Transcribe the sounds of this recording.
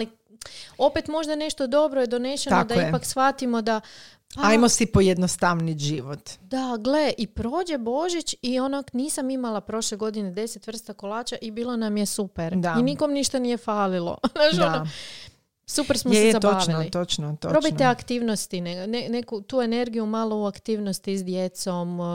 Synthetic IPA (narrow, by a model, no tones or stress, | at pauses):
ali | o̞pe̞t̪mo̞ʒd̪ane̞ʃt̪o̞d̪o̞bɾojed̪o̞ne̞ʃeokd̪aipaksʋat̪imo̞d̪a | aajmosipojed̪nost̪aʋniʒiʋot̪d̪̥aɡle̞ʔipɾo̞ːd͡ʑe̞bo̞ʒit͡ʃionakniːsamimalapɾo̞ʃleɡo̞d̪ined̪e̞set̪ʋr̩st̪akolˠaːt͡ʃaʔibiːlˠo̞namjesupeɾd̪ainiko̞mniʃt̪anije̞faːlilˠo̰naʃaao | supeɾsmosezab̪aːʋnilit̪ot͡ʃnot̪oɾo̞bit̪eakt̪iːʋno̞st̪inenenekut̪uːe̞ne̞ɾɡijumaːlˠo̞uakt̪iːʋnost̪isd̪je̞t̪so̞m